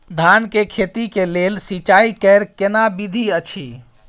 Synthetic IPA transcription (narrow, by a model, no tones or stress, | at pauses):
d̪ʱankekʰet̪ikelelsit͡ʃaikəɾkenabid̪ʱiət͡ʃʰi